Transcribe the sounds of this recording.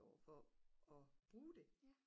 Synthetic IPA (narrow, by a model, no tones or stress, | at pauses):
ɒʊ̰fɒɒ̽b̥ʁuːd̥e̝